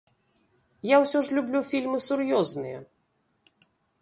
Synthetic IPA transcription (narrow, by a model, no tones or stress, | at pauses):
jawsʲɔʂlʲublʲufʲilʲmɨsuɾjɔznɨjɛ